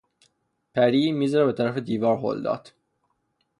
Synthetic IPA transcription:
pʰæɾiːmiːzæɾæbe̞t̪ʰæɾæfed̪iːvɒːɾho̰ld̪ɒ̰ːt̪ʰ

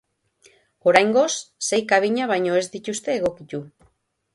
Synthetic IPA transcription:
o̞ɾajŋɡo̞sːe̞jkaβ̞iɲaβ̞ajɲo̞e̞zd̪it̪ust̪e̞ːɣ̞o̞kit̪u

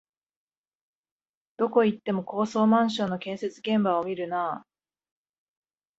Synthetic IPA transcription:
d̪̥o̞ko̞it̪ːe̞mo̞ko̞ːso̞ːmãɰ̃ɕ̬õ̞nːo̞kẽ̞ɰ̃se̞t͡sɨɡẽ̞mbaomʲiɾɯ̟naː

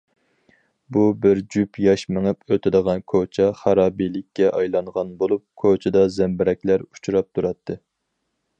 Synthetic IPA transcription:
bubɪɾd͡ʒypʰjɑʃmɨŋɨpøt̪ʰɪd̪əʁɑnkʰot͡ʃʰɛχæɾɑːbilɪkʲːɛʔɑjlˠɑɴʁɑnbolˠup̚kʰot͡ʃʰɪd̪ɑzɛmbɪɾɛkʲlæɾu̥t͡ʃʰuɾɑp̚t̪ʰuɾɑt̪ʰːɨ

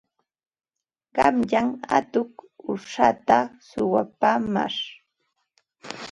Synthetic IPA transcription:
ɢɑmʎaŋa̰t̪ʊkʊʂat̪asʊwapaːma̰ɾ

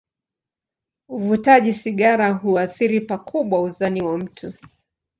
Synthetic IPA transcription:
uvutaʄisiɠaɾaɦuaθiɾipakʰuɓwauzaniwam̩tʰu

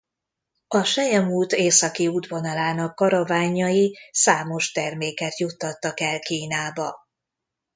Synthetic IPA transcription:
ɒʃɛjɛmuːlt̪eːsɒkiud̪vonɒlaːnɒkːɒɾɒvaːɲːɒjisaːmo̞ʃt̪ɛrmeːkɛt̪jut̪ːɒt̪ːɒkɛlkiːnaːbɒ

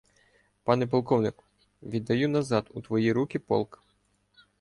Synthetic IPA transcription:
pɑnɛp̬ɔlˠkɔwnɪkʊ̥ | ʋʲid̪ːɐjunɐzɑd̪ut̪ʋɔjiɾukʲipɔ̰lˠk

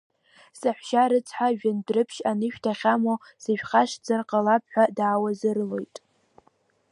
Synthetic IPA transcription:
saħʷʃaɾɨt͡sʰħʷaʒᶣandrɨpʰʃanɨʃᶣtʰaχʲamo | siʃᶣχaʃd͡zarqʼalapʰħʷᶣadaːwazɨrlo̞jtʼ

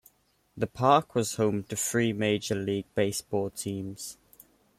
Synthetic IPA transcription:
ðəpʰɑˑkʰwɒz̥hõʊ̃mtʰəfɹiːmeɪd͡ʒəliːɡ̚b̥eɪsb̥ɔːlˠtʰĩːmz̥

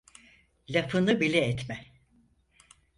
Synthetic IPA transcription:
lʲafʰɯnɯbilʲɛɛt̪mɛ

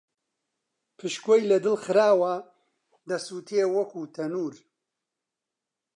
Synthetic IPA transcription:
pʰɨʃkojlɐd̪ɨlxɨɾaːwɐ | d̪ɐsut̪ʰewɐkuːt̪ʰɐnuːɾ

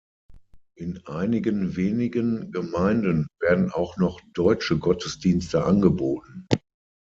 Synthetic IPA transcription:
ʔɪnʔaɪnɪɡənveːnɪɡənɡəmaɪndənveːɐdn̩aʊxnɔχd̥ɔʏt͡ʃəɡɔtʰəsd̥iːnstəʔanɡəboːtn̩

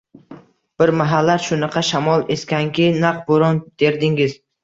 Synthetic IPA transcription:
b̥ɪɾmaɦalːaɾʃʊnɑqʰɑʃamɒlˠeskʲaŋkʲɪnaq̚boɾɒnd̪̥e̞ɾd̪ɪŋɪz

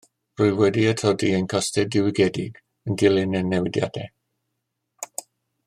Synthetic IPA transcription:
rʊɨwɛdiətʰɔdiənkʰɔstɛdɪwɪɡɛdɪɡ | əndɪlˠɪnɛnɛwɪdja̰dɛ

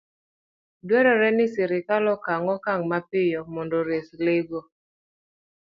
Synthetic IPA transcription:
dwɛɾɔɾɛnɪsɪɾɪkalɔkaŋɔkaŋmapɪjɔmɔndoɾesleɡo

